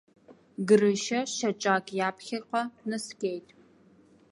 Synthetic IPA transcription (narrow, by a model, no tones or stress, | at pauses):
ɡɨrɨʃɐʃɐt͡ʃʼaːkʼjaːpʰxɐqʷɐnɐskʲʼejtʰʼ